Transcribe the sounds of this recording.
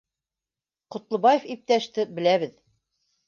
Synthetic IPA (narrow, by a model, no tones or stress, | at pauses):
qŏt̪lˠɤ̆bɑjefip̚t̪æʃt̪ɘbɘ̆læβɘð